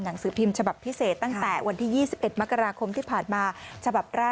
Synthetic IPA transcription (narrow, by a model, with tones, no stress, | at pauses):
na˩˦ŋsɯː˩˦pʰi˧mt͡ɕʰa˧ba˨˩pʰːi˦˥seː˨˩t̪ːa˥˩ŋt̪ɛː˨˩wa˧nt̪ʰiː˥˩jiː˥˩si˨˩p̚ʔe˨˩t̪̚ma˦˥kːa˧ɾaː˧kʰo˧mt̪ʰiː˥˩pʰaː˨˩nmaː˧t͡ɕʰa˧ba˨˩p̚ɾaː˥˩